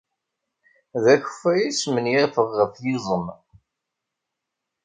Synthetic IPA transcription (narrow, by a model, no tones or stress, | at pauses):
ðæç̥fæjismənjæɾfəʁːəfjizˤəm